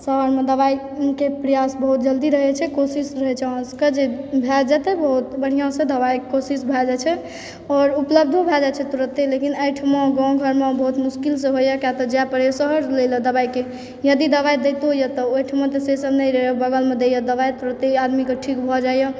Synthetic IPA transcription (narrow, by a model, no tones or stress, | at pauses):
səɦəɾmed̪əβai | kepɾijasbəɦut̪̚d͡ʒəld̪iɾəɦɛt͡ʃʰɛkosisɾəɦɛt͡ʃʰɛɔ̃skəd͡ʒebʱɛd͡ʒɛt̪ebəɦut̪bəɽ̤ijãsẽd̪əβaikosisbʱɛd͡ʒat͡ʃʰɛ | ɔɾupləb̚d̪ʱbʱɛd͡ʒat͡ʃʰɛt̪uɾət̪elekinəjʈʰimɔ̃ɡãɡʱəɾmebəɦut̪muskilsẽɦojəkjat̪ɔd͡ʒapəɾjsəɦəɾlelɔd̪əbaike | jəd̪id̪əβajd̪et̪ojɔt̪ɔojʈʰim̃t̪esesəbnəiɾəɦjəbəɡəlmed̪ejəd̪əβajt̪uɾət̪ead̪mikeʈʰikbʱɔd͡ʒajjɔ